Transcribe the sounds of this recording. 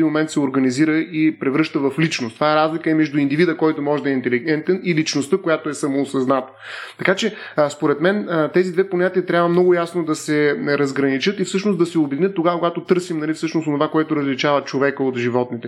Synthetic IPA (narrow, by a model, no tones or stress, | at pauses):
imomɛnt̪sɛoɾɡɐniziɾəʔipɾɛvɾɤʃt̪əvɐflit͡ʃnost̪ovaɛɾazlikəɛmɛʒd̪uind̪ivid̪əkɔjt̪omɔʒɛd̪ɐɛint̪ɛliɡɛnt̪ɛnilit͡ʃnost̪əkojat̪oɛsɐmoːsɐznat̪ə̥t̪ɐkat͡ʃɛ | spoɾɛt̪mɛnt̪ɛzid̪vɛponʲat̪iət̪ɾʲjabvəmnɔɡʊjasnod̪ɐsɛɾɐzɡɾɐnit͡ʃɤt̪ifsɤʃnosd̪ɐsɛʊbɛd̪inʲət̪ːoɡakoɡat̪ot̪ɤɾsimnɐlifsɤʃnosonovakoɛt̪ʊɾəzlit͡ʃavət͡ʃovɛkəot̪ʒivɔt̪nit̪ɛ